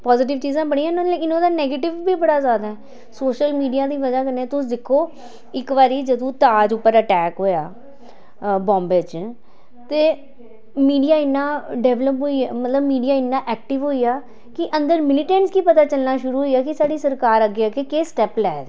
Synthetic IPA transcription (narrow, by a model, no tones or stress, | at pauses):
pɔːzɪːʈ̬ɪʋt͡ʃiːzãːbəɽĩːãnõẽɪnõːd̪aːnɛːɡeːʈɪʋːiːbəɽaːzjaːd̪aːɦɛː | soːʃəlmiːɖijaːd̪iːʋəd͡ʒaːkəneat̪ʊsd̪ɪkʰːoː | ɪkʋaːɾiːd͡ʒəd̪õːt̪aːd͡ʒʊpːəɾəʈɛːkɦoːjaː | bɔ̃ːmbet͡ʃ | t̪eː | miːɖijaːɪnːãːɖɛːʋləpɦoiamət̪ləbmiːɖijaːɪnːãːʔɛːk̚ʈɪʋɦoːiːaː | kɪʔənd̪əɾmɪlɪʈɛ̃ːɳʈskipət̪aːt͡ʃəlnaːʃʊɾuːɦoiːaːkɪsaːɖiːsəɾkaːɾəɡeaːkekeːsʈɛːplɛːd̪